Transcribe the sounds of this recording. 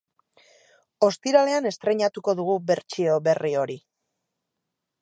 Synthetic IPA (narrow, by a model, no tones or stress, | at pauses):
o̞st̪iɾale̞ane̞st̪ɾe̞ɲat̪uko̞ðuɣube̞ɾt͡ʃio̞βe̞rio̞ɾi